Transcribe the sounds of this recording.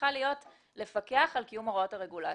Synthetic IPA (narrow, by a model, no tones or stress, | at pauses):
alijo̞t | le̞fake̞aχalkijumoʁao̞thaʁe̞ɡula